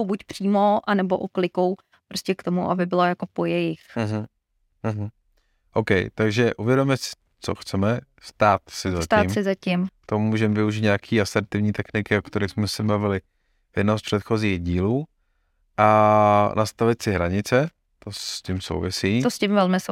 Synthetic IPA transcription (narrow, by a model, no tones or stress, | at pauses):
wbucpr̥iːmoʔanɛboʔoklɪkow | pɾoscʲɛkt̪omuʔabɪbɪlojakopojɛjɪx̩ɦ̩ | ɦ̩ | ʔowkɛjt̪aɡʒɛʔuvjɛdomɛsɪ̥ | t͡so̰xt͡sɛmɛ | st̪aːt̪sɪzasct̪aːmsɪzacɪmt̪omuːʒɛmɛvɪuʒiːt̪ɲaakʰiːasɛɾt̪ɪvɲiːt̪ɛxnɪkɪokt̪ɛɾɪxsmɛsɛbavɪlɪ | vjɛdnoɦospr̥ɛt̪xo̞ziːɣɟiːluː | ʔanʔast̪avɪt̪sɪɦɾaɲɪt͡sɛ | t̪ocɪmso̰wvɪsiːt̪oscɪmvɛlmɪso